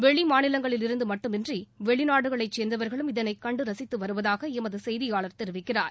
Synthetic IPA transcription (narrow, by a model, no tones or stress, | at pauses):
ʋɛɭimaːnɪlɐŋɡɐɭɪlɪɾɯnd̪ɯmɐʈːɯmɛndriʋɛɭɪnaːɽɯɣɐɭɐɪt͡ʃɛːnd̪ɐʋɐɾɣɐɭɯmɪðɐnɐɪkɐɳɖɯɾɐsɪt̪ːɯʋɐɾɯʋɐðaːɣɐɛmɐðɯsɛjðɪjaːɭɐɾt̪ɛɾɯʋɪkːɪra̰ːɾ